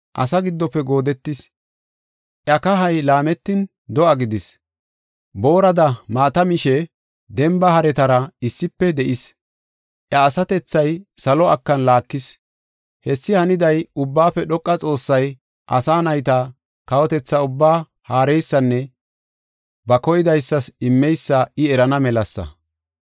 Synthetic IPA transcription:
ʔɐ̰sɐɡɪd̪ːɔpːɛɡo̞ːd̪ɛt̪ːɪs | ʔjɐkɐɦɐjlaːmɛt̪ːɪn | d̪ɔʔɐɡɪd̪ɪs | bo̞ːɾɐd̪ɐmaːt̪ɐmɪʃɛ | d̪ɛmbɐhɐɾɛt̪ɐɾɐɪsːɪpːɛd̪ɛʔɪs | ʔjɐːsɐt̪ɛt͡sːɐjsɐlɔɐkːɐnlaːkːɪs | hɛsːɪhɐnɪd̪ɐjʊbːaːfɛɗɔkʼːɐt͡sʼo̞ːsːɐj | ʔɐ̰saːnɐjt̪ɐ | kɐwɔt̪ɛt͡sːɐʊbːaː | haːɾɛjsːɐnːɛ | bɐkɔjɪd̪ɐjsːɐsɪmːɛjsːɐɪɛɾɐnɐmɛlɐsːɐ̰

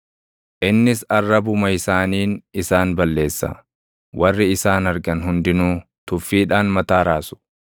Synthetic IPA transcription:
ʔɪnːɪsɐrːɐbʊmɐɪsaːniːnɪsaːnbɐlːe̞ːsːɐ̰ | wɐrːɪɪsaːnɐɾɡɐnɦʊnd̪ɪnuː | t̪ʊfːiːᶑaːnmɐt̪aːɾaːsʊ̥

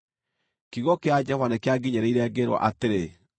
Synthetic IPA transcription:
kiɣɔkead͡ʒɛvanekeaɡiɲeɾeiɾɛɡeɾwɔ̰ʔateɾe

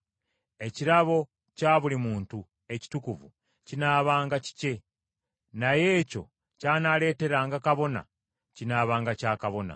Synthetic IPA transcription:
e̞ciɾaβo̞ | caːβulimuːntu | e̞ci̥tukuvṵ | cinaːβaːŋɡaci̥ce̞ | naje̞ːco̞̰ | caːnale̞ːte̞ɾaːŋɡakaβo̞na̰ | cinaːβaːŋɡacaːkaβo̞na̰

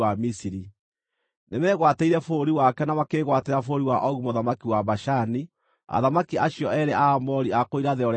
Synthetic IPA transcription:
amisiɾi | nemɛɣwateiɾɛfoɾiwakɛnamakeɣwateɾafoːɾiwaʔɔɣumoðamakiwaβaʃani | a̰ðamakiaɕijɔɛɾɛʔamɔɾiakoiɾaðeɔɾ

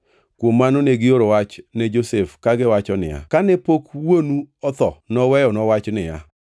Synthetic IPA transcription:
kwomːanoneɡɪoɾowat͡ʃnɛd͡ʒosefkaɡɪwat͡ʃɔnɪ̰ja̰kanɛpokwonuɔt̪ɔnɔwɛjɔnɔwat͡ʃnɪja̰

